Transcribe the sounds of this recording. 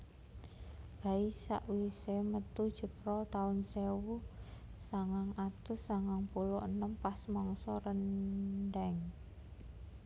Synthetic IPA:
b̥a̤isa̰ʔwisemət̪ud̥ʒ̥ə̤pɾɔt̪aʊnsewusaŋaŋat̪ʊsːaŋaŋpuluʔənəmpasmɔŋsɔɾənɖɛŋ

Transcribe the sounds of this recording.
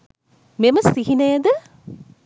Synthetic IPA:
memɐsiɦinɐjɐd̪ə

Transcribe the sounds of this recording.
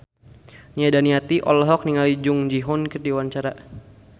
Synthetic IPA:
niadaniat̪iʔɔlɔɦɔk̚niŋalid͡ʒʊŋd͡ʒiɦɔnkərdiwant͡ʃaɾa

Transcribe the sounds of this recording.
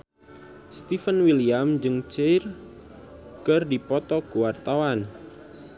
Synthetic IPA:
st̪ifənwiliamd͡ʒɨŋt͡ʃejr | kɨrdipɔt̪ɔkuwart̪awan

